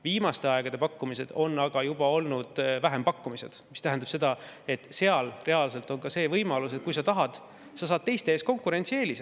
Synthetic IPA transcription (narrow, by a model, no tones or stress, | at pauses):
viːmɑst̪e̞ɑeɡ̥ɑd̪e̞pɑkːumise̞d̪̥o̞nːɑɡ̥ɑjub̥ɑo̞lnud̪̥væɦe̞mpɑkːumise̞d̪̥mist̪æɦænd̪ɑb̥se̞d̪ɑe̞t̪ːse̞ɑlre̞ɑlse̞lt̪ˑo̞nkɑse̞ːvɤjmɑluset̪̚kujsɑt̪ɑɦɑd̪̥ | sɑs̬ɑːd̪̚t̪e̞jst̪eeːsko̞ŋkˑuɾe̞nt̪sieːlis